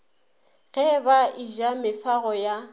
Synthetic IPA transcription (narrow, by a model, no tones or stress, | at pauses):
ɣɛbaiʒamɪfaɣɔja